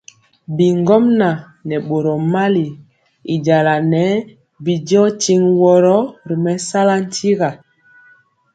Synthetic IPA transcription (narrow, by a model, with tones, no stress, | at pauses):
bi˨ŋɡɔ˦mna˨ | nɛ˨ɓo˨ɾɔ˨ma˦li˨ | i˨ɟa˨la˨nɛ˨˦ | bi˨d͡ʒɔ˦ti˦ŋwɔ˨ɾɔ˦ɾi˨mɛ˨sa˦la˦n̩˦tʰi˦ɣa˨